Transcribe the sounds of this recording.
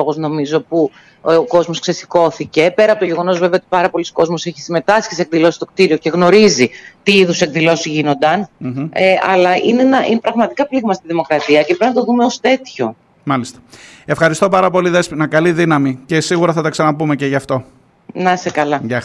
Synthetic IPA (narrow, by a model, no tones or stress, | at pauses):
oɣo̞zno̞mizo̞pu | oko̞zmo̞skse̞si̥ko̞θice̞pe̞ɾɐpotoʝe̞ɣo̞no̞zve̞veot̪ipɐɾɐpo̞liso̥ko̞zmo̞seçi̥sime̞t̪ɐsçisek̚ðilo̞si̥t̪o̞k̚t̪iɾio̞ce̞ɣno̞ɾizit̪iiðusekðilo̞siʝino̞nd̪ɐneɐ̰lɐʔinenɐʔinepɾɐɣmɐt̪ikɐpliɣmɐst̪iðimo̞kɾɐt̪iɐcepɾpnɐt̪o̞ðumeost̪e̞t̪ço̞̰ | mɐlist̪ɐ̥e̞fxɐɾist̪o̞pɐɾɐpo̞liðesnɐkɐliðinɐmicesiɣuɾɐθɐt̪ɐksɐnɐpumeceʝɐːft̪o̞ | nɐsekɐlɐʝɐ